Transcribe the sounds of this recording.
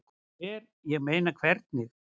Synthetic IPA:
kʰ | ɛɾ | jɛɣmeːjnakʰvɛɾt̪̚nɪx

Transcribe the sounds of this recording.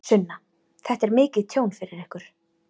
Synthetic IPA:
sʏnːa | θɛht̪ɛɾmɪːcɪðt̪ʰjoːwnfɪɾɪɾɛhkʏɾ̥

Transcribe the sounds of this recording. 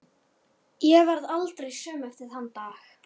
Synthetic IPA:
jɛvaɾðalt̪ɾejsœːmɛft̪ɪɾ̥hant̪aːx

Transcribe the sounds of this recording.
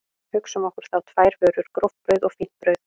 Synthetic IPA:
hʏksɔmɔhkʏɾ̥θawt̪ʰvaːjɾ̥vœːɾʏɾ̥kɾɔwft̪pɾœːɥðɔɣfin̥pɾœːɥð

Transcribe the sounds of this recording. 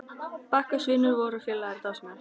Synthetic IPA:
pahkḁsvɪːnːʏɾvɔːɾʏfjɪlːaɣɾt̪asmɛl̥

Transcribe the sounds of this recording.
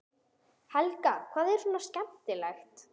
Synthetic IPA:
hɛlkakʰvaːðɛɾ̥suːnascɛmt̪ɪlajxt̪

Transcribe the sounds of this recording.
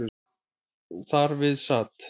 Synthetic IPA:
θaɾvɪðsaːt̪

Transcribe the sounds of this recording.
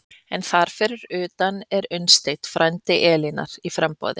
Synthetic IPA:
ɛnθaɾ̥fɪːɾɪɾʏːt̪anɛɾʏnst̪ejt̪fɾʔajnt̪ɪʔɛːlina̰ɾ̥ifɾɛmpɔ̰ːðɪ

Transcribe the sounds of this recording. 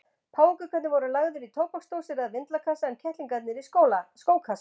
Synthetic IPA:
pʰaːwɪŋkʏkʰvɛt̪nɪvɔɾʏlaɣðʏɾit̪ʰoːwpɔkst̪owsɪɾaðvɪnt̪lakʰasaɛncʰɛht̪liŋkat̪nɪɾiskoːwlaskoːwkʰas

